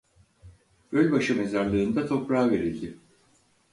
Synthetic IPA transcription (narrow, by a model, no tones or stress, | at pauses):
ølʲbaʃɯme̞zaɾlˠɯːnd̪at̪ʰo̞pɾaːve̞ɾilʲd̪ɪ